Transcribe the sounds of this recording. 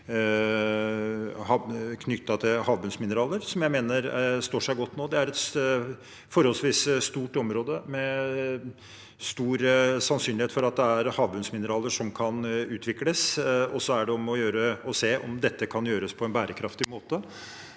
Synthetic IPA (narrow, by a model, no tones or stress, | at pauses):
hɑkʰnʏt̪ːɑt̪ʰɪlhɑːʋbʉnsmɪnəɾɑːləɾsɔmjæɪmeːnəɾst̪oːʂæɪɡɔt̪ːnoːd̪ɛæɾɛt̪ | fɔɾhɔlsʋiːsst̪uːʈɔmɾoːd̪əmɛ | st̪uːɾsɑnsyːnlɪeːt̪fɔɾɑt̪̚d̪ɛæɾhɑːʋbʉnsmɪnəɾɑːləʂɔmkʰɑnʉːt̪ʰʋɪkləsɔsːɔæɖɛɔmɔjøːɾəɔseːʔɔ̰md̪ɛt̪ːəkʰɑnjøːɾəspʰɔɛnbæːɾəkʰɾɑft̪ɪmoːt̪ə